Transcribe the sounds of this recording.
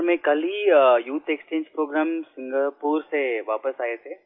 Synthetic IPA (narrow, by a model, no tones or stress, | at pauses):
ɾmẽkɐlijuːt̪ʰekst͡ʃẽːɲd͡ʒpɾoːɡɾaːmsɪ̃ŋɡəpuːɾseʋaːpəsaːet̪ʰeː